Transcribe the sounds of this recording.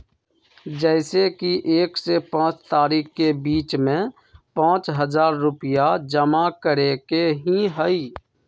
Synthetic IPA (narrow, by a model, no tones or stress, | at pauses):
d͡ʒɛɪsekiʔeːksepãːt͡ʃt̪aːɾiːkkebiːt͡ʃmẽ | pãːt͡ʃɦəzaːɾːʊpɪjad͡ʒəmakəɾekeɦĩɦəiː